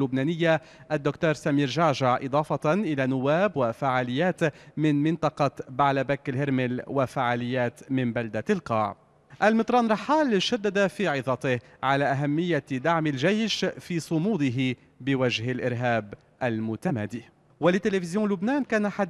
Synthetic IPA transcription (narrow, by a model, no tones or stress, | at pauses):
lːʊbnaːnɪjːa | ʔad̪ːʊkt̪oːɾsamiːɾʒaʕʒaʕʔɨ̰d̪ˤɑːfɑtʔɪlaːnʊwːaːbwafaʕaːlɪjːaːt̪mɪnmɪnt̪ˤɑqɑbaʕlabaklhɪɾmɪlwafaʕaːlɪjːaːt̪mɪmbald̪alqɑ̰ːʕ | ʔalmɪt̪ˤɾˤɑːnɾˤɑħːaːlʃad̪ːad̪afiːʕɪðˤɑt̪ɪhʕalaʔaɦamːɪjːad̪aʕmɪlʒajʃfiːsˤʊmuːd̪ɪɦɪ | bɪwaʒhalʔɪɾɦaːb | ʔalmʊt̪amaːd̪iː | walɪt̪ːɪlefɪzjõːlʊbnaːnkaːnaħa